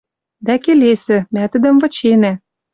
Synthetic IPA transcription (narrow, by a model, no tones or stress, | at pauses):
d̪ækelesɘ̆mæt̪ə̆d̪ə̆mvɤ̆t͡ɕenæ